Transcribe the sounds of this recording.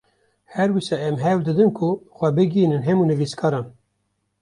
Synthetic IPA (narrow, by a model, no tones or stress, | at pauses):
hɛɾwisɑːɛmɦɛwd̪ɨd̪ɨnkʰʊxʷɛbɨɡiːnɨnɦɛmuːnɨviskʰɑːɾɑːn